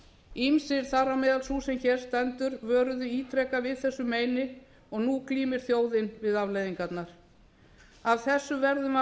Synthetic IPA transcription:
imsɪɾ̥θaɾamɛːðalsuːsɛmçɛːɾ̥st̪ɛnt̪ʏɾvœːɾʏðʏiːt̪ʰɾɛkavɪðθɛsːʏmeːjnɪ | ɔɣnuːkliːmɪɾ̥θjoːwðɪnvɪðavlejðiŋkat̪naɾ̥ | avθɛsːʏvɛɾðʏma

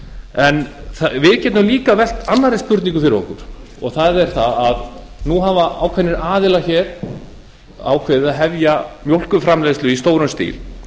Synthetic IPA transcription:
ɛnθvɪðcɛt̪nʏmliːkavɛl̥t̪anːaɾɪ̥spʏɾt̪niŋkʏfɪɾɪvɔ̰hkʏɾ̥ | ɔ̰ɣθaðɛɾ̥θaað | nuɦavaa̰ːwkʰvɛnːɪɾaːðɪlaçɛːɾ̥ | a̰wkʰvɛðɪðaðɦɛvjamjowl̥kʏfɾamleːðslʏist̪oːwɾʏnst̪ḭːl

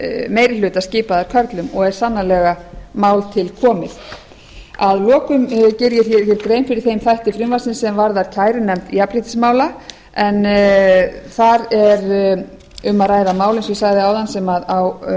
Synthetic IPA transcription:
meːjɾɪlʏːt̪asciːpaðaɾ̥kʰœɾt̪lʏmɔɣɛɾ̥sanːalɛɣamaːwlt̪ʰɪlkʰɔːmɪθ | aðlɔːkʏmcɪɾjɪɾ̥θjɛɾ̥θjɛɾkɾeːjmfɪɾɪɾ̥θejmθajht̪ɪfɾɪmvasɪnsɛmvaɾðaɾ̥cʰaːjɾɪnɛmt̪iapɾɪht̪ɪ̥smaːwla | ɛn | θaɾɛɾ | ʏmaðraːjðamaːwlɪnsvɪsaɣðɪawðansɛmaðaw

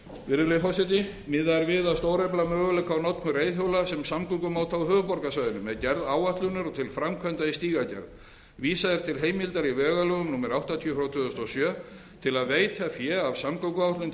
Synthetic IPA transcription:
vɪɾðʏlefɔsɪt̪̬ɪ | mɪðaɛɾvɪðaðst̪oːwɾɛjplamœːɣʏlɛkːawnɔt̪nʏɾejðjowlasɛmsamkœŋkʏmaːwt̪ʰawɦœːvʏpɔɾkasvajðʏnʏmɛðcɛɾðaːwaht̪lʏnʏɾɔt̪ʰɪlfɾamkʰvɛnt̪aist̪iːɣacɛ̰ɾð | viːsaðɪɾ̥t̪ʰɪlɦeːjmɪlt̪aɾivɛːɣalœɣʏmnuːmɛɾawht̪at̪ʰjːfɾawt̪ʰʏðʏst̪ɔsjœː | t̪ʰɪlaðveːjt̪ʰafjɛːavsamkœkʏawht̪lʏn

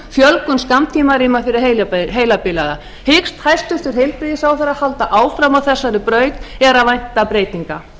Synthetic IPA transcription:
fjœlkʏnskamt̪ʰiːmaɾiːmafɪɾɪ̥ɦejlɦeːjlapɪlaða | hɪkst̪hajst̪ʏst̪ʏɾ̥ɦejlpɾiðɪsawθɛɾahalt̪aʔaːwfɾamawθɛsːaɾɪpɾœːɥt̪ɛɾavajn̥t̪apɾeːjt̪iŋka

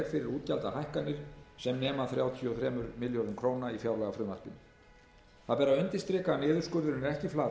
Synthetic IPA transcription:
ɾ̥fɪɾɪɾuːt̪calt̪ahajhkanːɪɾ̥sɛmnɛːmaθɾjaːwt̪ʰjɔθɾɛːmʏɾmɪljoɾðʏmkʰɾoːwnaifjaːwlaɣafɾʏːmar̥pʏn | θaðpɛːɾawent̪ɪnst̪ɾɛːkanɛːðʏɾ̥skœːɾðʏɾnɪɾɛhcɪflaː

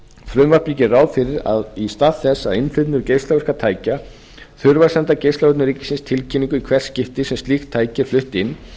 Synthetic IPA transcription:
fɾʏmvaɾ̥pɾiːcɪraːwfɪɾɪɾa̰ðist̪aːðθɛsːaðɪnflɪt̪nʏɾcejst̪lavɛɾ̥kat̪ʰaːjca | θʏɾvaɾ̥sɛnt̪acejst̪avɛɾt̪nʏɾiːcɪsɪnst̪ʰɪlcʰiniŋkʏikʰvɛr̥scɪft̪ɪsɛmst̪lixt̪ʰaːjcɪɾ̥flʏht̪ɪnː

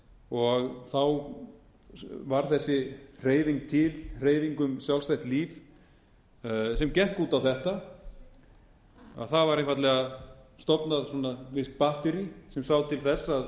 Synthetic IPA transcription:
ɔɣθaw | vaɾ̥θɛsːɪr̥eːjviŋk̚t̪ʰɪlr̥eːjviŋkʏmsjawlst̪ajht̪liːf | sɛmcɛhkuːt̪awθɛht̪a | a̰ðθavaɾẽnfvat̪lɛɣast̪ɔpnaðsɔnavɪst̪̚paht̪ʏɾisɛmsawðt̪ʰɪlθɛsːað

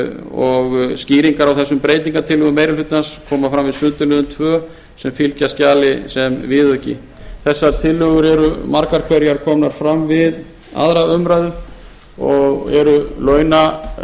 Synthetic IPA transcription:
ɔɣsciːɾiŋkaɾawθɛsːʏmpɾeːjt̪niŋkat̪ʰɪlʏɣʏmejɾɪlfʏt̪nanskʰɔːmafɾamvɪðsʏnt̪ʏlʏðʏmt̪ʰvœː | sɛmfilcascaːlɪsɛmvɪːðʏɛcːɪ̰ | θɛsːat̪ʰɪlːʏɣʏɾɛɾʏmaɾkaɾ̥kʰvɛɾjaɾ̥kʰɔːmnaɾ̥fɾamvɪð | a̰ðɾaʏmɾajðʏɾ | ɔɣɛ̰ɾʏlœːɥna

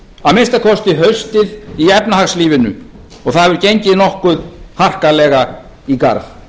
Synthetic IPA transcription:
amenst̪akʰɔst̪ɪɦœɥst̪ɪðiɛpnahaxsliːvɪnʏ | ɔɣθaðvʏɾ̥cejɲcɪnɔhkʏðhar̥kalɛːɣa | ika̰ɾθ

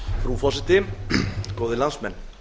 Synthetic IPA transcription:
fɾufɔsɪt̪ɪ | koːwðɪlansmɛn

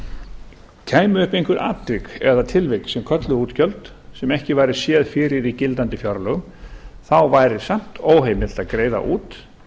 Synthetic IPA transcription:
c̪ʰaːjmʏʏhpejŋkʏɾʔa̰ːt̪ɾɪkɛðat̪ʰɪlveksɛmkʰœt̪lʏuːt̪cʰœlt̪ | sɛmɛhcɪvajɾɪsjɛːðfɪːɾɪɾicɪlt̪ant̪ɪfjɔɾlœɣʏmθawvaːjɾɪsam̥t̪oːwɦeːjmɪl̥t̪aðkɾeːjða̰ʔuːt̪

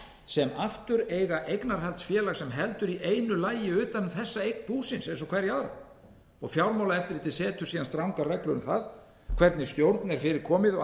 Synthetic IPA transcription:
sɛmaft̪ʏɾeːjɣaʔejknaɾ̥ɦɛlt̪sfjɛːlaɣsɛmɦɛlt̪ʏɾiʔejnʏlaːjɪʏːt̪anθɛsːaejk̚npuːsɪnsejnsɔkʰvɛɾjaːɾa̰ | ɔɣfjawlmawlaɛft̪ɪɾɪt̪ʰɪlsɛːt̪ʏ̥ɾ̥iːðanst̪ɾawŋkarɛklʏɾʏmθað | kʰv̥ɛɾt̪nɪ̥st̪jowɾt̪nɛɾ̥fɪɾɪɾ̥kʰɔːmɪðɔ

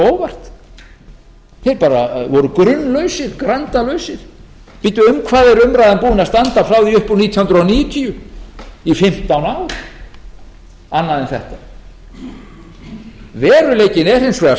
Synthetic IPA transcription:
oːwvar̥t̪ | θejɾpaːɾavɔɾʏkɾʏnːlœɥsɪɾ̥kɾant̪alœɥsɪɾ̥ | pɪt̪ʏʏmkʰvaːðɛɾʏmɾajðanpuːɪnast̪ant̪afɾaːwðiʏhpuniːt̪ʰihʏnd̪ɾɔniːjʏt̪ʰiʏ | ifɪm̥t̪ːawnawɾ | anːaðɛnθɛ̰ht̪a | vɛːɾʏleːjcɪnɛr̥hejnsfvɛa

